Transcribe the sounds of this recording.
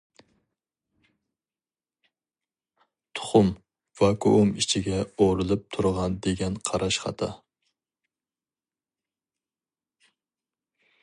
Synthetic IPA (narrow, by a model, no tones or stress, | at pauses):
t̪ʰʊ̥χʊm | vɑkʰo̰ʔʊmɪt͡ʃʰɪɡʲɛoɾɨlˠɪp̚t̪ʰʊɾʁɑnd̪eɡʲɛnqʰɑɾɑʃχɑ̰t̪ʰɑ̰